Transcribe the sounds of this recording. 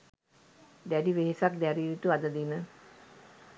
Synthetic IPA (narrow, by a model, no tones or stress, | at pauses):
d̪æɖiʋeɦesak̚d̪æɾiuʈuad̪əd̪inə